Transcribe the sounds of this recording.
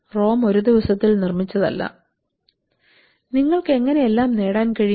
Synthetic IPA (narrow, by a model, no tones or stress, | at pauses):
ro̞ːmo̞ɾud̪iʋɐsɐt̪ːilnirmit͡ɕːɐðɐ̰lːɐ̰ | niŋːɐɭkɨe̞ŋːɐne̞jelːaːmne̞ːɽaːnkɐɻi